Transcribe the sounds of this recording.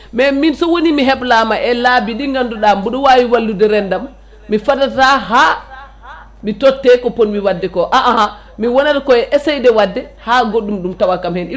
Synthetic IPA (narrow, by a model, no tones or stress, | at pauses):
mɛminsɔwonimiɦɛblamaʔɛlabiɗiŋɡanduɗambuɗɔwawiwalːudɛɾɛndamː | ifadataɦaː | mitɔtːɛkɔpɔnmiwadːɛkɔʔaʔaha | miwɔnatakɔɛʔɛsɛjdɛwadːɛhaɡoɗːumɗumtawakamhɛnʔi